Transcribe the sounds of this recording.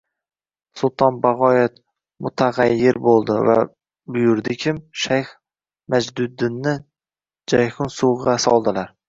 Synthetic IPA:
sʊlˠt̪ʰɒnbaʁɒjet̪ | mʊt̪ʰaʁɑjːɪɾbolˠd̪ɪva̰ | bʊjʊɾd̪ɪkʲʰɪmʃajχ | mad͡ʒd̪ʊd̪ɪnːɪ | d͡ʒajχʊnsʊʁʁɑsɒ̰lˠd̪ɪlaɾ

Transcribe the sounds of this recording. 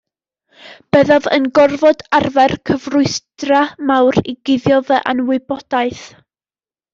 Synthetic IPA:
b̥ɛðavə̰nɡɔrvɔdarvɛrkʰəvrʊɨstramawɾiɡɪðjɔðɛʔanwɪbɔd̥aɨθ

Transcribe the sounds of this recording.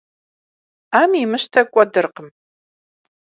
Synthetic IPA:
aːmimɨʃtʰɐkʷʼɔdɨrqəm

